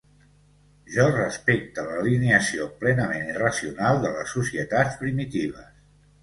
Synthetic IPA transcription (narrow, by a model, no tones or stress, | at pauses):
ʒɔrəspek̚t̪ələlineəsioplɛnəmenirəsiunalˠd̪ələsːusiət̪at͡sspɾimit̪iβ̞əs